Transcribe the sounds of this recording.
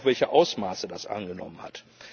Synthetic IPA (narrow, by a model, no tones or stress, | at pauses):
v̥ɛlçəʔaʊsmaːsədasʔa̰nɡənɔ̰mənha̰t